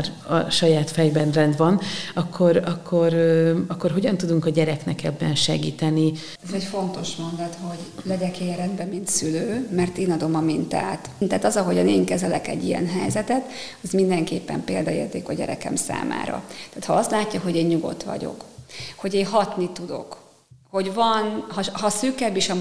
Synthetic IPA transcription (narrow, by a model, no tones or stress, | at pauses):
r | ɒ̰ʃɒjaːt̪fɛjbɛnrɛnd̪ʋɒnɒkʰːoɾɒkʰːoɾɒkːorɦoɟɒnt̪ud̪uŋkɒɟɛɾɛknɛkɛbːɛnʃɛɡḭːt̪ɛni | ɛzɛcfo̞nt̪o̞ʃmo̞nd̪ɒt̪ho̞ɟ | lɛɟɛkeːɛɾɛnd̪bɛmint̪syløːmɛrt̪eːnɒd̪o̞mɒmint̪a̰ːt̪t̪aːt̪ɒzɒɦo̞ɟɒneːŋkɛzɛlɛ̰kɛ̰ɟːijɛ̰nɦɛjzɛt̪ɛt̪ɒzmind̪ɛŋkeːpːɛ̰mpḛːld̪ɒḛːrt̪eːkɒɟɛ̰ɾɛ̰kɛ̰msa̰ːma̰ːɾɒ̰t̪aːt̪hɒɒst̪laːcːɒɦo̞ɟeːnɲuɡo̞̰t̪ʋɒ̰ɟo̞̰kho̞ɟeːɦɒt̪nit̪ud̪o̞̰k | ho̞ɟvɒnhɒɦɒsyːkɛbiːʃɒ